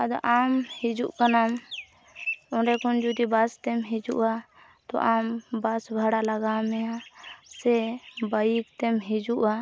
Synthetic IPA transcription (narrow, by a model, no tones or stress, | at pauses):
ad̪ɔʔamhid͡ʒuʔkanam | ɔ̃ɾɛkɔnd͡ʒud̪ibast̪ɛmɦid͡ʒuʔa | t̪ɔ̰ʔambasbʱaɽalaɡamɛãsɛbajikt̪ɛmɦid͡ʒuʔa